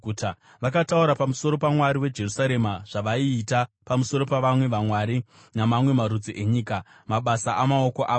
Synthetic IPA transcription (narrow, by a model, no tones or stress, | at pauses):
uta | ʋakatauɾapamuso̞ɾo̞pamwaɾiwe̞d͡ʒe̞rusaɾe̞maʐ̥aʋaiːtapamusoɾo̞paʋamwe̞ʋamwaɾi | namamwe̞maɾud͡ziʔe̞ɲiːka | maɓasaʔamao̞koʔaː